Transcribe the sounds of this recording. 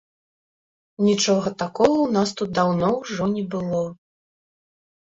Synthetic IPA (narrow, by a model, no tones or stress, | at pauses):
nʲit͡ʂɔɣɐt̪akɔɣɐwnast̪ut̪̚d̪awnɔwʐɔnʲɛbɨlˠɔ